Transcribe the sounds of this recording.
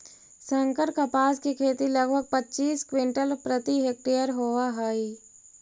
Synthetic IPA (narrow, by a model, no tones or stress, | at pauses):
sə̃ŋkəɾkapaːskikʰeːt̪ilɐɡbʱəɡ̚pətːt͡ʃiːskwɪ̃ɳʈəlpɾət̪iɦek̚ʈijəɾɦoʋaɦaːi